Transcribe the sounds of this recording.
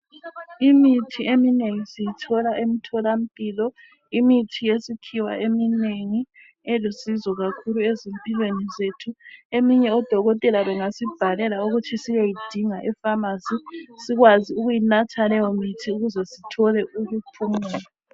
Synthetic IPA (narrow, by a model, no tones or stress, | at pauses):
imitʰiemineŋisijitʰɔlaʔem̩tʰɔlam̩pʼilɔ | imitʰijesikʰiwa̰ʔemineŋi | elusizɔɣakʰuluezempʼilwenizetʰuemiɲɛɔd̥ʱɔɣɔtʼɛlaβɛŋasib̥ʱalɛlaoɣutʰisiɣajid̥ʱiŋaʔɛfamasisiɣwaziuɣujinatʰalɛjɔmitʰiuɣuzɛsitʰɔlɛʔujupʰumɛːla